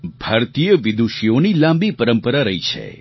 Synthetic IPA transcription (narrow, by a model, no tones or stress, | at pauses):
bʱaɾt̪ijəʋɪd̪uʃijonilãmbipəɾəmpəɾaɾəɦit͡ʃʰḛ